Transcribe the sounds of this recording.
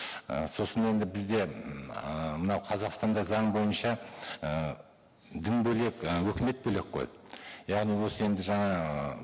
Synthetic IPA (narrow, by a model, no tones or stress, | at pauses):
ə̰so̞səne̞nd̪ɪbɪzd̪e̞ | mənɑwqʰɑzɑqst̪ɑnd̪ɑzɑɴbo̞jənʃɑə | d̪ɪnbɵle̞kʲwɵkʲɪme̞t̪̚bɵle̞k̚qʰo̰jjɑʁnijwo̞səe̞nd̪ɪʒɑɴɑ